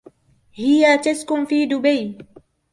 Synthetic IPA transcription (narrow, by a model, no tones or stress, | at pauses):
hɪjat̪askʊnfiːd̪ʊbaj